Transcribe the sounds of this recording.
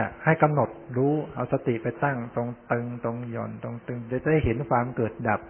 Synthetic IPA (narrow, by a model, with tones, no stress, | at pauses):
ha˥˩jka˧mno˨˩t̪̚ɾuː˦˥ʔa˧˩wsa˧t̪i˨˩pa˧jt̪a˥˩ŋt̪o˧ŋt̪ɯ˧ŋt̪o˧ŋjɔ̰˨˩nt̪o˧ŋt̪ɯ˧ŋa˧˥˩jt͡ɕa˨˩da˥˩jɦe˩˦nkʰwaː˧mkɤː˨˩t̪̚da˨˩p̚